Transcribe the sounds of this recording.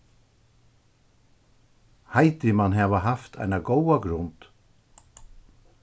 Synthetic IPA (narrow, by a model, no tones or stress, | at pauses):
hajt̪ɪmanɦɛːʋaɦaft̪ʰa̰jnaɡɔwaɡɾʊnt̪